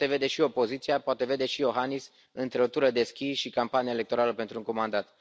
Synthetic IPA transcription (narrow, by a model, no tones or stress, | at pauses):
t̪e̞ve̞d̪e̞ʃio̞po̞zit̪sijapoat̪e̞ve̞d̪e̞ʃijo̞ɦanis | ɨnt̪ɾe̞ot̪uɾəd̪e̞skʲisʃikampanijaelek̚t̪o̞ɾaləpe̞nt̪ɾuŋkomand̪at̪